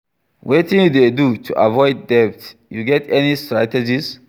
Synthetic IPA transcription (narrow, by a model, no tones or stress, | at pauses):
wet̪ĩnjud̪edutʰṵʔa̰vɔjd̪̚ːɛp̚tjuɡɛtʰɛnistɾatɛd͡ʒis